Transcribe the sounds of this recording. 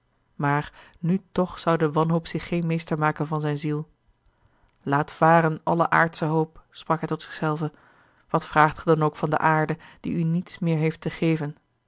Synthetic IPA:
maːɹ | nytɔχsʌwdəʋɑnɦowpsɪχːejnmejstəɹmaːkənvɑnzɛjnzilˠ | laːtfaːrənɑləʔa̰ːɹtsəɦowpsprɑkɦɛjtɔtsɪ̥χsɛlˠvə | ʋɑtfraːχtχədɑnowkfɑndə̰ʔaːɹdəd̥ḭynitsmɪːɹɦejftəχejvən

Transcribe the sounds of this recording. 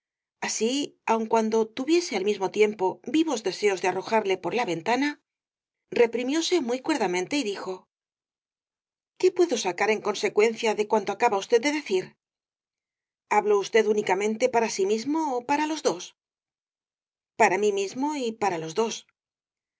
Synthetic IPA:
asiawŋkwand̪o̞t̪uβje̞se̞almizmo̞t̪je̞mpo̞biβo̞zðe̞se̞o̞zðe̞aro̞xaɾle̞po̞ɾlaβe̞nt̪ana | re̞pɾimjo̞se̞mujkwe̞ɾðamẽnt̪e̞iðixo̞ | ke̞pwe̞ðo̞sakaɾe̞ŋko̞nse̞kwe̞nθjaðe̞kwant̪oakaβaust̪e̞ðd̪e̞ðe̞θiɾ | aβloust̪e̞ðunikamẽ̞nt̪e̞paɾasimizmo̞ːpaɾalo̞zðo̞s | paɾamimizmo̞ipaɾalo̞zðo̞s

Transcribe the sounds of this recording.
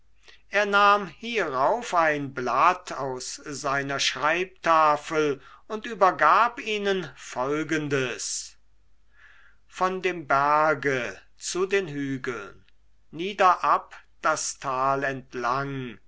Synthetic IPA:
ʔeːɐnaːmhiːʁaʊfaɪnblatʰaʊszaɪnɐʃʁ̥aɪp̚taːfəlʊntyːbɐɡaːpiːnənfɔlɡəndəs | fɔndeːmbæɐɡə | t͡sudeːnɦyːɡəl̩nː | iːdɐʔapd̥astʰaːlɛntʰlaŋ

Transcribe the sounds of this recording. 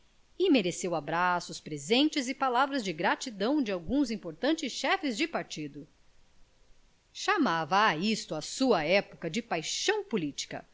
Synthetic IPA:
ɪmeɾesewabɾasʊspɾezẽnt͡ʃɪzɪpalavɾɐzd͡ʒɪɡɾat͡ʃid̪ɐ̃w̃d͡ʒɪawɡũzĩpoɾt̪ɐ̃nt͡ʃɪsʃɛfɪzd͡ʒɪpaɾt͡ʃid̪ʊ | ʃamavɐːist̪ʊɐsuɐɛpʊkɐd͡ʒɪpajʃɐ̃w̃pulit͡ʃi̥kɐ̰

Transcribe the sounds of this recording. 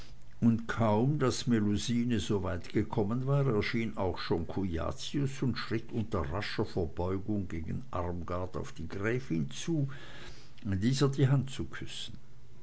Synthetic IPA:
ʊntkʰaʊmdasmeluziːnəzoːvaɪtɡ̥əkʰɔmənvaːʁɛːɐʃiːnaʊxʃoːnkʰuja̰ːt͡siʊsʊntʃʁ̥ɪtʰʔʊntɐʁaʃɐfɛɐbɔʏɡʊŋɡeːɡn̩ʔa̰ʁmɡaɐta̰ʊfd̥iːɡʁɛːfɪnt͡suː | diːzəɐdiɦant̚t͡sukʰʏsn̩

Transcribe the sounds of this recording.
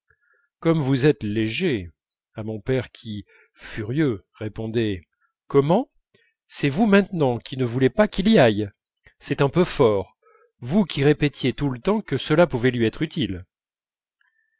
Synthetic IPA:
kɔmvuzɛt̪leʒe | amɔ̃pɛʁkʲʰi | fyʁjøʁepɔ̃d̪ɛ | kɔmɑ̃ | sɛvumɛ̃t̪nɑ̃kʲinəvulepakiliaj | sɛt̪ɛ̃pøfɔʁ | vukʲiʁepet̪jet̪ulət̪ɑ̃kəsəlapuvɛlɥiɛt̪χyt̪il

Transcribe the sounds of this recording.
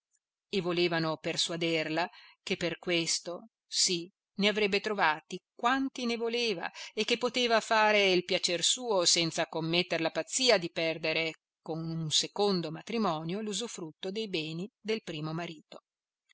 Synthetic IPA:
evːoleːvanopersuad̪erlak̟epːerkwest̪o | si | neavɾɛbːet̪ɾovaːt̪ikwant̪inevoleːva̰ek̟ːepːot̪eːvafaːɾeilpjat͡ʃersuːosɛnt̪sakomːet̪ːeɾelapat̪sːiːad̪ipɛrd̪eɾe | konunsekond̪omat̪ɾimɔːnjoluzufɾut̪ːod̪ejbɛːnid̪elpɾiːmomaɾiːt̪o̥

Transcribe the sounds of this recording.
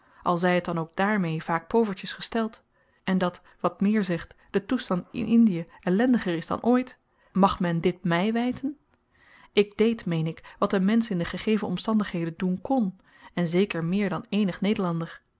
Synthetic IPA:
ʔɑlˠzɛjət̚dɑnowɡ̚daːɹmejv̥aːk̚powvəɹtəsχəstɛlˠt | ɛndɑt | ʋɑtmɪːɹzɛχtd̥ətustɑntɪ̰nʔɪndijəɛlɛndəχəɹɪzdɑ̰nʔoːjt | mɑχmɛndɪt̚mɛjʋɛjtʰən | ɪɡ̚dejtmejnɪkʋɑtənmɛnsɪndəχəχejvənɔ̰mstɑndəχɦejdəndunkɔn | ɛnzejkəɹmɪːɹdɑnejnəχnejdəɹlɑndəɹ

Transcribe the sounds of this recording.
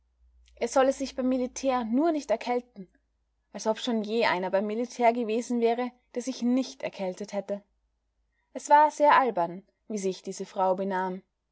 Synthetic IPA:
ʔɛɐz̥ɔləzɪçb̥aɪmːilitʰɛːɐnuːɐnɪçtɛɐkʰɛltn̩ | ʔalsʔɔpʃoːnjeːʔa̰ɪnɐbaɪmːilitʰɛːɐɡəveːzn̩vɛːʁəd̥eːɐzɪçnɪçtɛ̰ɐkʰɛltəthɛtə | ʔɛsv̥aːɐz̥eːɐʔalbɐn | viːziçd̥iːzəfʁ̥aʊbənaːm

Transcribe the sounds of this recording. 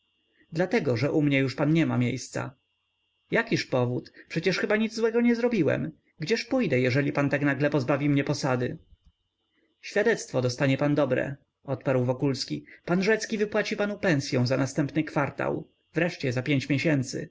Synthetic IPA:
d̪lat̪ɛɡɔʐɛʔumɲɛjuʂpanɲɛmamʲjejst̪sa̰ | jakʲiʂpɔvut̪pʂɛt͡ɕɛʂxɘbaɲid̪zzwɛɡɔɲɛzɾɔbʲiwɛ̰m | ɡd͡ʑɛʂpujd̪ɛjɛʐɛlʲipant̪aknaɡlɛpɔzbavʲimɲɛpɔsad̪ɘ | ɕfʲjad̪ɛt̪st̪fɔd̪ɔst̪aɲɛpand̪ɔbɾɛ̰ | ɔt̪paɾwvɔkulskʲipanʐɛt̪skʲivɘpwat͡ɕipanupɛ̃ñsʲjɛ̃w̃zanast̪ɛmpnɘkfaɾt̪a̰w | vɾɛʂt͡ɕɛzapʲjeɲt͡ɕmʲjeɕɛnt̪sɘ̰

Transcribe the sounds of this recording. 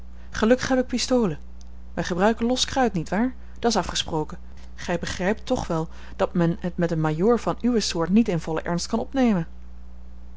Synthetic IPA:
χəlɵkə̥χɦɛbɪk̚pistowlə | ʋɛjχəbrœɥkənlɔskrœɥtnitʋaːɹ | d̥ɑtɪsɑfχəsprowkə | χɛjbəχrɛjp̚tːɔχʋɛlˠ | d̥ɑtmɛnɦətmɛtənmajʊːɹvɑnyʋəsʊːɹtnitɪnv̥ɔlə̰ʔɛ̰ɹnst̚kɑnɔpnejmən

